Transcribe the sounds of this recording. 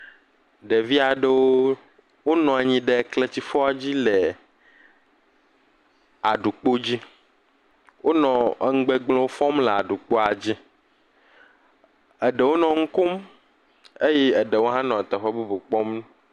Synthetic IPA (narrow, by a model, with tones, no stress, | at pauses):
ɖe˨vi˦a˨ɖe˦wo˦ | wo˦nɔ̃˨a˨ɲĩ˦ɖe˨kle˦t͡ɕi˦fɔ˦a˨d͡ʑi˦le˨ | a˨ɖu˨k͡po˦d͡ʑi˦ | wʔo˦nɔ̃˨˦ŋ̩˦ɡ͡be˦ɡ͡blɔ̃˦wo˦fɔ̃˦mle˨a˨ɖu˨k͡po˦a˨d͡ʑi˦ | ɛ˨ɖe˨wo˦nɔ̃˨ŋ̩˦ko˦m | e˦jɛ˦ɛ˨ɖe˨wo˦ɦã˦nɔ̃˨t̪ɛ˨ɸɔ˦bu˦bu˨k͡pɔ˦mñ˦